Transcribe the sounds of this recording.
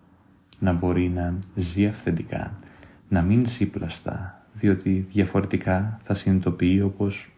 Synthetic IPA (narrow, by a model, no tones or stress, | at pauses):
nɐbo̞ɾinɐziɐfθed̪ikɐ̰ | nɐminsiplɐst̪ɐ̰ | ðio̞t̪iðʝɐfo̞ɾe̞t̪ikɐθɐsinit̪o̞piio̞po̞s